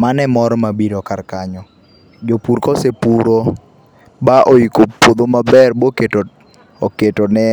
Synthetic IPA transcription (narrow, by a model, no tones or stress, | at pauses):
manɛmɔɾɔmabiɾɔkarkaɲɔ | d͡ʒopuɾkɔsepuɾo | baʔoikopod̪omabɛrboketo | ɔketɔnɛ